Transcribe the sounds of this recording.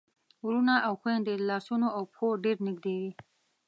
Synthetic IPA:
wɾunaʔawxwend̪əlɑsunoawpxoɖeɾnɪɡd̪ewi

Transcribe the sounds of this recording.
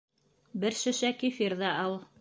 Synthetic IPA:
bɘɾʃɘ̆ʃækifiɾðɑɑlˠ

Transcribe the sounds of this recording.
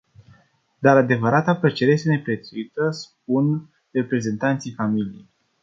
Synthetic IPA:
d̪aɾad̪e̞vəɾat̪apɾet͡ʃeɾejest̪ene̞pɾe̞t̪suit̪əsp̚un | re̞pɾe̞ze̞nt̪ant̪sijfamilijḛj

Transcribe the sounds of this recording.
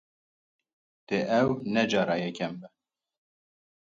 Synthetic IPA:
d̪̥eʔɛwnɛd͡ʒɑːɾɑːjɛkʰɛmbɛ

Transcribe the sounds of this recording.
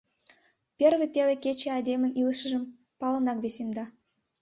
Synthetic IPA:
pʲervʲĕt̪ʲelʲekʲet͡ɕeɑd̪ʲemʲɘ̆nilˠəʃə̆ʒə̆m | pɑlˠɤ̆nɑkvʲesʲemd̪ɑ

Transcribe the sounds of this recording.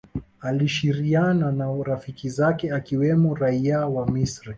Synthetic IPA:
aliʃiɾiananaɾafikizakɛakiwɛmɔɾaiawamisɾi

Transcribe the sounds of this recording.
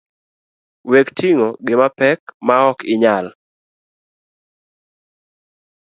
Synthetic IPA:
wektʰiŋoɡɪmapɛkmaɔkɪɲal

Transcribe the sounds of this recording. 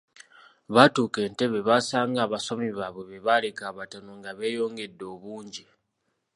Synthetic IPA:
βatuːke̞ːnte̞βe̞βasaːŋɡaːβasomiβaβwe̞βeβalekaːβatonoŋɡaβe̞ːjo̞ːŋɡe̞dːo̞ːβuːɲɟi

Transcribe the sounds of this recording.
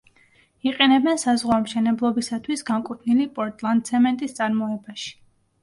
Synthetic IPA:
iqʼɛnɛbɛnsazʁwamʃɛnɛblˠɔbisat̪ʰwisɡaŋkʼut̪ʰnilipʼɔɾt̪ʼlˠand̪̚sʰɛmɛnt̪ʼist̪sʼaɾmɔɛbaʃi̥

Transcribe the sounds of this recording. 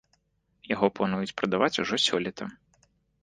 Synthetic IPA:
jaɣɔplˠanujut͡sʲpɾɐd̪avat͡sʲuʐɔsʲɔlʲɛt̪ʰɐ

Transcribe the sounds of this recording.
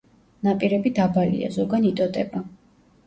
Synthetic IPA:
napʼiɾɛbid̪abalḭa̰zɔɡanit̪ʼɔd̪ʼɛba

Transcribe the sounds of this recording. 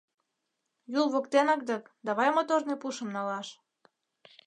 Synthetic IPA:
julˠβokt̪enɑk̚d̪ɤ̆kd̪ɑβɑjmot̪ornepuʃə̆mnɑlɑʃ

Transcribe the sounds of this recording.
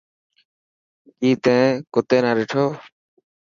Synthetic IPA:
iːt̪ɛ̃ːkot̪eːnaːɾeʈʰoː

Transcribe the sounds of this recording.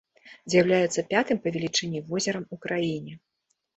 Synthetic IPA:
zʲjɐwlʲajɛt̪sːɐpʲat̪ɨmpɐvʲɛlʲit͡ʂɛnʲivɔzʲɛɾɐmukɾajinʲɛ

